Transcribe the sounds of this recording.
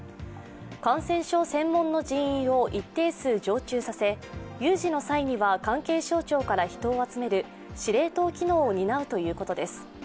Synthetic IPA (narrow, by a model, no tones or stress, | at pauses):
kãɰ̃sẽ̞ɰ̃ɕo̞ːsẽ̞mːõ̞nːo̞ʑĩɰ̃ĩɰ̃o̞ʔit̪ːe̞ːsɨːd͡ʑo̞ːt͡ɕɨːsase̞ | jɯːʑino̞saiɲ̟iβakãŋke̞ːɕo̞ːt͡ɕo̞ːkaɾaçi̥t̪o̞ːat͡sɨme̞ɾɯ̟ | ɕiɾe̞ːt̪o̞ːkʲino̞ːɲ̟inaɯ̟t̪o̞jɯ̟ːko̞t̪o̞d̪e̞sɨ̥